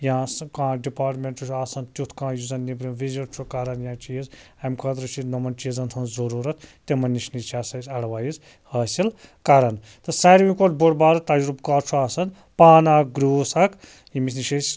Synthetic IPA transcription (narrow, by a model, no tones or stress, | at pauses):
jãːskãːɖipaːɾʈmeɳʈut͡ʃʰaːsɐnt̪ʲut̪ʰkãːjuzɐnnibɾimʋiziʈt͡ʃʰukɐɾɐnjãːt͡ʃijiz | amkʰɐt̪ɾɐt͡ʃʰinomɐnt͡ʃizɐnt̪ʰɐnzɐɾuːɾɐt̪̚ʰt̪ːemɐnːiʃnit͡ʃʰaːsɐsʲɐɽʋaːjiz | hɐːsil | kɐɾɐn | t̪ɨsaɾmĩkoʈboɽbaːɾɐt̪ɐd͡ʒɾubkaːɾt͡ʃʰuaːsɐn | paːnaɡɾuːsɐk | jimis̬niʃʰesʲ